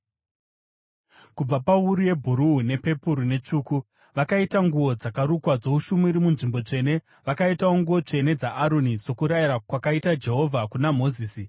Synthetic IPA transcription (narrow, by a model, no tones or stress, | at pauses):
kub͡vapauɾuje̞bʱuɾuɦune̞pe̞puɾune̞t͡ʂuːku | ʋakaitaŋɡuo̞d͡zakaɾukwad͡zo̞uʃumiɾimunʐimbo̞t͡ʂe̞ːne̞ | ʋakaitao̞ŋɡuʋo̞t͡ʂe̞ne̞d͡zaʔːɾoniso̞kuɾajiɾakwakaitad͡ʒe̞ɦo̞vʱakunamo̞ziːsi